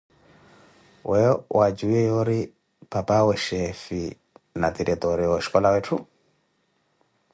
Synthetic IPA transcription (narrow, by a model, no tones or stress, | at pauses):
wɛɔwad͡ʒuɛjɔɾi | papawɛʃɛfi | nat̪iɾɛt̪ɔɾiɔɛʃi̥kɔlawɛtʰu